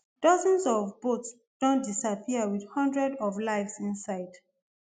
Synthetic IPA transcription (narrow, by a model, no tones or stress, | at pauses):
d̥ɔzɔ̃nsɔvbots | d̥õn̚disapʰiəwiðhɔ̃ndɹɛdɔvlaɪvsĩnsaɪd̥